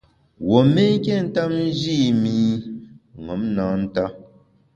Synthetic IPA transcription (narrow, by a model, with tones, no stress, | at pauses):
wo˨me˦ŋ˦kɛ˦˨n̩˦ta˦mn̩˦d͡ʒi˦˨mi˦ | ŋɔ˨˦mnã˨˦n̩˦ta˦